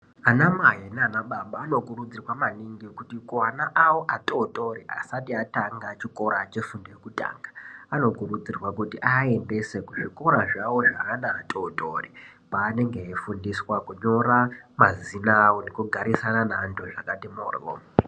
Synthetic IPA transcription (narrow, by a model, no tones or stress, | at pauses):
anamaɦeneanaɓaɓaːno̞kurud͡zirwamaniŋɡikutikuanaʔawoʔatʼoto̞ɾiʔa̰satiataŋɡat͡ʃiko̞ɾat͡ʃe̞fundijekuta̰ːŋɡaano̞kurud͡zirwakutiʔae̞nde̞se̞kuʐiko̞ɾaʐawo̞ʐaɦːnaːtʼotoripaːne̞ŋɡeɦefundiswakuɲo̞ɾamazinawonekuɡʱaɾisananandoʐakatimoːr̰ʋo̰